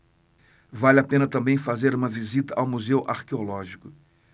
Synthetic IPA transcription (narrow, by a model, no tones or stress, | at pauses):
valapẽnɐt̪ɐ̃mbẽj̃fazeɾũmɐvizit̪ɐʔawmuzewʔaɾkeolɔʒikʊ